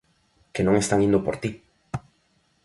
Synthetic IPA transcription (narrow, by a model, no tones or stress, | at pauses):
kenõŋest̪aŋĩnd̪opoɾt̪i